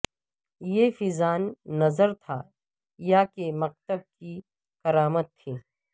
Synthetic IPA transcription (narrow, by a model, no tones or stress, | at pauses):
jefɪzaːnːɐzəɾt̪ʰa | jakemɐq̚t̪əb̚ki | kɐɾaːmət̪ʰːeː